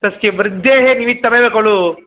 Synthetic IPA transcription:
t̪ɐskeʋɾd̪ːeːɦeniːʋit̪ːɐbebeːkoɭu

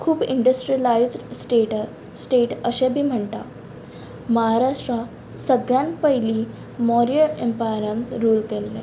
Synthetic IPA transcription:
kʰuːbiɳɖəsʈɾiəlaid͡zʈe | sʈeʈəɕẽbʱiːm̤əɳt̪a̰ | məɦaɾaʂʈɾa | səɡɭjãnt̪pəɦiliː | mɔɾiəlempajɾənɾuːlkɛlːḛ

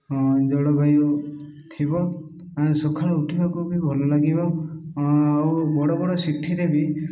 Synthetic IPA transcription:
d͡ʒɔɽɔbʱajɔ | t̪ʰibɔ | asɔkʰaɭɔuʈʰibakubibʱɔlɔlaɡibɔ | awbɔɽɔbɔɽɔsiʈʰiɾebi

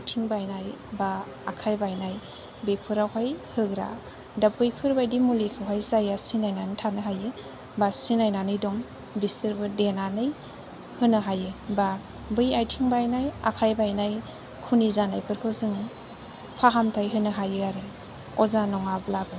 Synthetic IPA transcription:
ajtʰiŋbajnajbaː | kʰajbajnaj | bepʰɯɾawɦajhɯɡɾa̰ | dap̚ːɯjpʰɯɾbajdimulikʰawɦajzajasinajnanɯtʰanɯɦajɯ | basinajnanɯjdɔŋ | bisɯɾbɯdenanɯj | hɯnɯɦajɯba | bɯjajtʰiŋbajnaja̰kʰajbajnaj | kʰunizanajpʰɯɾkʰɯzɯŋi | pʰaɦamtʰajɦɯnɯɦajɯaɾɯ | ɔzanɔŋablabɯ

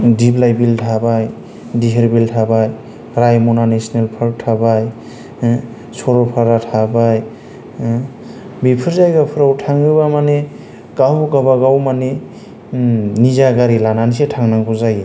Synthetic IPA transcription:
diblajbiltʰabaj | diɦeɾbiltʰabaj | ɾajmɔnanesnelpʰɯɾk̚tʰabaj | sɔɾɔpʰaɾatʰabaj | bipʰɯɾzajɡapʰɯɾawtʰaŋɯbamane | ɡawɡabaɡawmane | nizaɡaɾilananisetʰaŋnaŋkʰuzaj

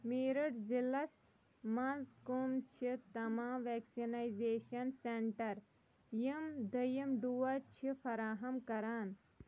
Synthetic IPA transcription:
miːɾɐʈzilɐs | mãzkumt͡ʃʰit̪ɐmaːmʋeːksinajzeːʃɐnseɳʈɐɾ | jimd̪ɐjimɖuʋɐt͡ʃʰifɐɾaːɦɐmkɐɾaːn

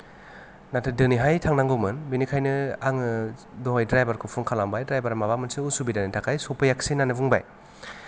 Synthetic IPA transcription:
natʰɯdɯniɦajtʰaŋnaŋɡɯwmɯnbinikʰajnɯaŋɯdɔɦajdɾajbaɾkʰopʰuŋkʰalambajdɾajbaɾmabamɯnsiusubidanɯtʰakʰajsɔpɯjaksinanɯbuŋba̰j

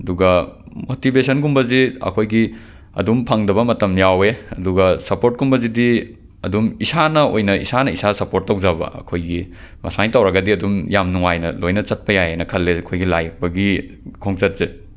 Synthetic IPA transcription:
ɐduɡɐ | motibesɐnkumbɐziɐ̰kʰojɡi | ɐ̰dumpʰaŋdɐβɐmɐtɐmjaweɐduɡɐsɐpoɾt̚kumbɐzidi | ɐdumisanɐo̰jnɐḭsanɐisasɐpoɾt̚ːawzabɐ̰ɐ̰kʰojɡi | mɐ̰sajtawɾɐɡɐdiɐdumjamnuŋajnɐ̰lojnɐt͡ʃɐt̚pɐjajejnɐkʰɐlːeɐkʰojɡilajɐk̚bɐɡi | kʰoŋt͡ʃɐt̚ze

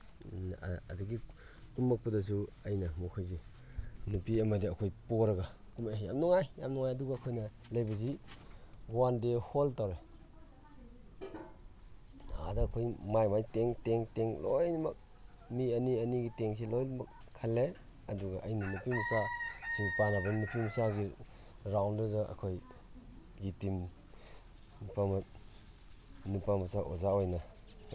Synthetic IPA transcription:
ɐ̰duɡi | kumːak̚pudɐs̬uɐjnɐmokʰojze | nupiɐmɐdiɐkʰojpoɾɐɡɐkumaja̰mnuŋajːa̰mnuŋajɐduɡɐːkʰojnɐ | lejbɐzi | ɡɔwandeholtawɾe | a̰dɐːkʰojmajmajteŋteŋteŋlojnimɐk̚ | mianianiɡiteŋs̬elojnmɐk̚ʰːale | ɐduɡaʔajninupʰimsasupanabɐnupʰimsaɡi | ɾawndɯdɐa̰kʰoj | ɡitim | nupam | nupamasaʔozaojna

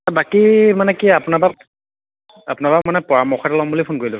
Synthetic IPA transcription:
abakimanɛkiapunabak̚ | apʊnabakmanɛpɔɹamɔxʰɔtalɔmbulipʰʊnkoɹilɔ

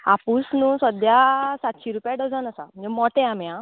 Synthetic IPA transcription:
apusnũsəd̪jasat̪ɕiɾupjaɖəd͡zənəsa̰m̤ənd͡zɛmɔt̪eamjã

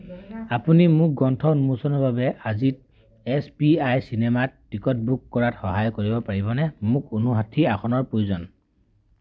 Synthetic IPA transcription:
apunimʊk̚ɡɔntʰɔnumusɔnɔɹbabɛazit̚ | ɛspiajsinɛmatːikɔt̚bukːɔɹatxɔɦajkoɹibɔpaɹibɔnɛmʊkonuɦatʰiaxʰɔnɔɹpɹojuzɔn

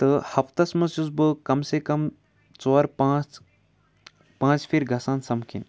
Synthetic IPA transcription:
t̪ɨhɐpt̪ɐsmɐsjuzbɨkɐmsekɐm | t͡soːɾpãːt͡s | pãːt͡ʃpʰiɾɡʱɐsaːnsɐmkʰḭn

